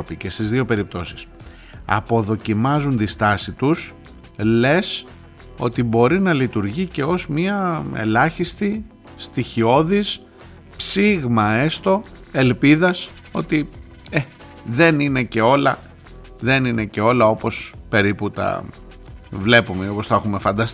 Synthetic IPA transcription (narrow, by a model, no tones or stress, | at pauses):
pice̞st̪izðio̞pe̞ɾip̚t̪o̞si̥s | ɐ̰po̞ðo̞cimɐzunt̪ist̪ɐsit̪us | le̞s | o̞t̪ibo̞ɾinɐlit̪uɾʝice̞o̞zmiɐḛlɐçist̪i | st̪içio̞ðis | psiɣmɐe̞st̪o̞ | e̞lpiðɐs | o̞̰t̪i | e | ðe̞nine̞ce̞o̞lɐ | ðe̞nine̞ce̞o̞lɐo̞po̞spe̞ɾiput̪ɐ̰ | vle̞pumeio̞posθexumefɐnd̪ɐst̪i